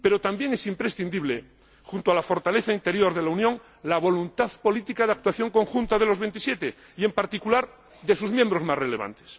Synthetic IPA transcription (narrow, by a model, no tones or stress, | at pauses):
pe̞ɾo̞t̪ambje̞ŋesimpɾesθind̪iβle | xunt̪oalafo̞ɾt̪aleθaint̪e̞ɾjo̞ɾð̞e̞launjõ̞ŋ | laβ̞o̞lunt̪aðpo̞lit̪ikaðeak̚t̪waθjo̞ŋko̞ŋxunt̪að̞e̞lo̞zβe̞nt̪isjet̪e | ie̞mpaɾt̪ikulaɾ | ðe̞suzmjẽ̞mbɾo̞zmasrele̞βa̰nt̪e̥s